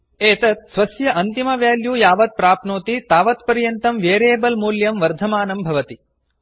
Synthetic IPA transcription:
eːt̪ɐt̪̚sʋɐsjɐʔɐnt̪imɐʋjaːljuːjaːʋɐt̪̚pɾaːpnoːt̪it̪aːʋɐt̪pɐɾjɐnt̪ɐmʋjeːɾeːbɐlmuːljɐmʋɐɾd̪ʱɐmaːnɐmbʱɐʋɐt̪i

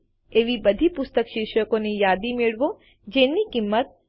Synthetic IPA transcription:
eʋibəd̪ʱipʊst̪əkʃɪɾʃəkonijad̪imeɭʋo | d͡ʒenikimːət̪̚

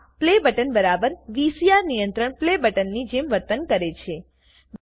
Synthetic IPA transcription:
plebəʈənbəɾabəɾʋisiaɾnijənt̪ɾəɳplebəʈənːid͡ʒemʋəɾt̪ənkəɾet͡ʃʰe | ʋ

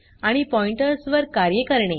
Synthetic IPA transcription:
aɽ̃ipɔiɳʈəɾsʋəɾkaɾjəkəɾɳe

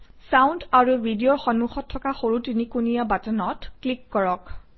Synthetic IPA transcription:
sawndaɹubʱidijoɹxɔnːuxɔtʰːɔkaxoɹutinikunijabatɔnɔtklikːɔɹɔk

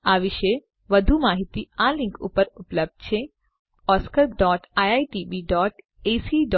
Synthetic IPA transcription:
aʋɪʃe | ʋəd̪ʱumaːɦit̪ialɪ̃ŋkṵpəɾʊpləb̚d̪̥̚t͡ʃʰe | ɔskəɾɖɔːʈajaiʈibiɖɔːʈ | esiɖɔ

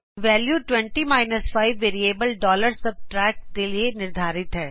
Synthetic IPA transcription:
ʋɛːljuːʈwɛ̃ɳʈimaːɪnəsfʰaːɪʋːeːɾieːbəlɖɔːləɾsɐb̚ʈɾɛːk̚d̪elienɪɾd̪ʱaːɾɪt̪ɦɛː

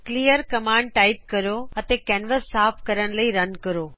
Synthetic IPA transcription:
klijəɾkɐmãːɳɖ̚ʈaːɪp̚kɐɾoɐt̪ekɛːnʋəsːaːpkɐɾəɽ̃lɐiɾɐnkɐɾoː

